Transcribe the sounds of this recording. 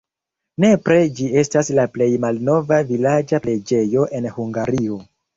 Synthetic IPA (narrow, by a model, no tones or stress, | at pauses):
ne̞pɾe̞d͡ʒie̞staslaple̞jmalno̞vavilad͡ʒaple̞d͡ʒe̞jo̞ʔe̞nhuŋɡaɾio